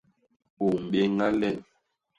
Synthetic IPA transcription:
o˨m̩˨ɓe˦ŋa˦lɛ˦˨l

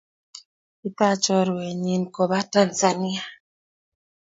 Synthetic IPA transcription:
i˦ta˦t͡ʃɔ˦ɾwɛ˨ɲi˨nkɔ˨ba˦ta˨nza˨ni˦a˨

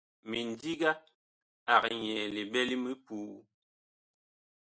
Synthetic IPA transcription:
mi˨n˨di˦ɡa˦ | a˨kɲɛ˨li˨bɛ˦li˦mi˦puː˦

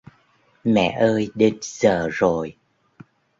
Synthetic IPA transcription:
mɛ̰˧˨ʔəː˧jɗe˧nz̥əː˨˩zo˨˩j

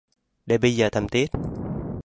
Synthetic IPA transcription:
ɗe˨˩ɓə˧jzəː˨˩t̪ʰə˧˩mt̪i˦˥ət̚

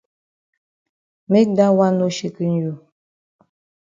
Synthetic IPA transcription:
me˦k̚da˦wa˦no˦ʃi˨ki˦n˦ju˨

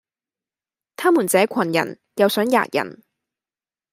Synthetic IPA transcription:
t̪ʰaː˥muː˨˩nt͡sɛː˨˥kʷʰɐ˨˩njɐ̰˨˩n | jɐ˨˧wsœː˨˥ŋja̰ː˧˨t̚jɐ̰˨˩n

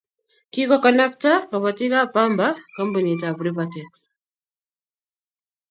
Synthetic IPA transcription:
ki˦kɔ˦kɔ˨na˦p̚ta˦ka˨βa˨ti˦ka˦pamba˦kɔ˦mpu˨ni˨ta˨bɾipatɛks

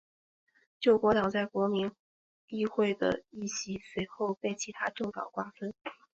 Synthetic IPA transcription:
t͡ɕjo˥˩ʊkwɔ˧˥t̪ɑ˨˩ŋt͡sa˥˩ɪkwɔ˧˥mi˧˥n | i˥˧xwe˥˩ɪd̪ə̰˩i˥˩ɕi˧˥swe˧˥ɪxo˥˧ʊpe˥˩ɪt͡ɕʰi˧˥t̪ʰa˥ʈ͡ʂo˥˩ʊt̪ɑ̰˨˩ʊkwa˥˩fə˥n

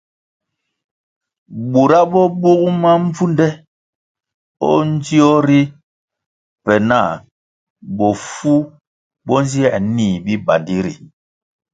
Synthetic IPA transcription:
bu˨ɾa˦bɔ˦bu˦ku˦ma˦ɱ̩˦vu˦ndɛ˦ | ɔ̰˦n̩˦d͡ʒi˦ɔ˦ɾi˦ | pɛ˨na˦˨ | bɔ˨fu˦ | bɔ˦n˦zi˦ɛ˦˨ʔniː˦˨bi˦ba˨ndi˦ɾḭ˨

